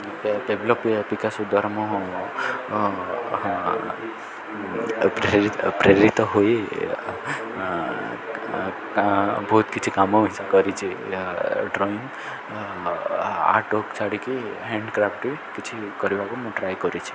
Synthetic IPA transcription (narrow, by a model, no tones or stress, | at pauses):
beblɔppikasud̪əɾmɔ̃ | pɾepɾeɾit̪ɔɦoe | bʱɔːt̪kit͡ʃʰikamoʋisakɔɾit͡ʃʰe | ɖɾɔiŋɡ | a̰ʈokt͡ʃʰaɽikiɦɛ̃ɳɖkɾafʈikit͡ʃʰikɔɾjiaɡomɔ̃ʈɾajkɔɾit͡ʃʰe̥